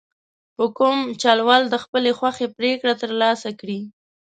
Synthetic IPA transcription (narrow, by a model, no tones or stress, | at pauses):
hʊkumt͡ʃɑlwɑld̪əxpəlexwaxepɾekɽat̪əɾlɑsakɽi